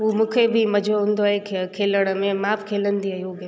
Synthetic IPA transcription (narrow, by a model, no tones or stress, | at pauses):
ɦuːmũːkʰebʱimɐd͡ʑʱoɦũːnd̪oaɦekʰkʰeːləɽ̃əmẽmaːpkʰeːlənd̪iɐɦjoɡ